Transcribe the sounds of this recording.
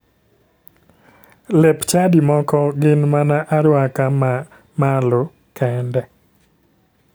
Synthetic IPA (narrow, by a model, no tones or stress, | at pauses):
lɛpt͡ʃadimɔkɔɡɪnmanaʔaɾwaka | malo | kʰɛndɛ